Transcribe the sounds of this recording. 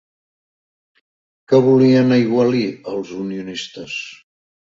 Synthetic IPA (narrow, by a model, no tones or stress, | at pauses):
kəβuliənəiɣwaliəlˠzuniunist̪əs